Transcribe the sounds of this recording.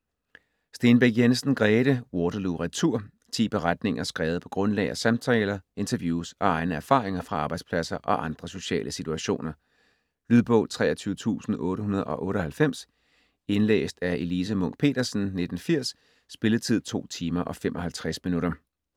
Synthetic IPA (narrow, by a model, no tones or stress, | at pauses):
sd̥e̝ːnb̥eɡ̥jensn̩ɡ̥ʁɛːɾəwɒːd̥ɐluʁat͡sʰuɐ̰ | t͡sʰḭːb̥eʁad̥ne̝ŋɐsɡ̥ʁɛːʊð̩ˠpʰɒ̽ɡ̥ʁɔ̽nlɛ̰ɪɐsɑmt͡sʰelɐe̝nt͡sʰɐʋjuːsɒ̽ɑ̈ɪnəæɐfɑ̰̈ːʁeŋɐfʁɑ̈ɑ̈ːb̥ɑ̈ɪd̥spʰlæsɐʔɒ̽ʔɑ̈nd̥ʁɐso̝ɕɛ̰ːlʔəsit͡sʰuæɕo̝̰ːnɐ | lyðˠb̥ɔ̰̽ːlt͡sʰʁɛ̰ːɐt͡sʰyːʊət͡sʰṵːsn̩ɔ̽ːɾəhunɐð̞̩ˠɒ̽ʔɔ̽ːɾəɒhælfem̰s | e̝nlḛːsd̥æɐʔe̝liːsəmɔ̽ŋ̰ɡ̥̚pʰe̝̰ːd̥ɐsn̩ned̥n̩fiɐ̰sː | b̥e̝ləðˠt͡sʰið̞̰ˠt͡sʰo̝̰ːt͡sʰiːmɐʔɒ̽femʔɒ̽hælt͡sʰʁasminuɾɐ